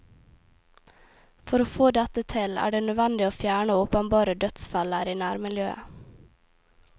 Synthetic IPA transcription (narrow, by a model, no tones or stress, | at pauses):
fɔɾoːfoːd̪ɛt̪ət̪ʰɪlæ̰ːɖeːnœʋɛnd̪ɪoːfjæːɳəʊpənbɑːɾəd̪œt̪sfɑləɾiːnæːɾmɪljøːə̰